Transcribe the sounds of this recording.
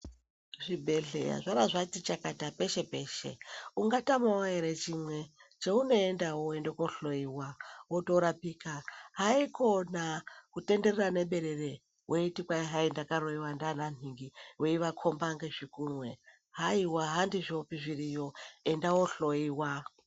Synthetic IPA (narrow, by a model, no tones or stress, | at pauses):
ʐibʱe̞ɮḛja̰ʐaɾaʐatit͡ʃakatape̞ʃe̞pe̞ːʃe̞̰uŋɡatamawaɦeɾet͡ʃimwe̞t͡ʃeuno̞endawoendokoɬo̞iwawotoɾapikaɦaikʰo̞nakute̞nde̞rerane̞ɓe̞ɾe̞re | wʔeitikwaiɦaindakaɾoiwandananiŋɡiweiʋakʰo̞mbaŋɡe̞ʐikunwe | ɦaiwaɦandiʐiopiʐirijo̞endawoɬo̞iwa